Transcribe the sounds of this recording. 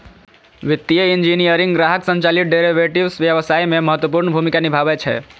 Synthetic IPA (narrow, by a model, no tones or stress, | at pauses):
ʋit̪ːijəind͡ʒinijəɾĩŋɡɡɾaɦəksə̃nt͡ʃalit̪̚ɖeɾiʋeʈibsʋjəʋəsaimeməɦət̪wəpuɾɳəbʱumikanibʱabɛt͡ʃʰɛ̰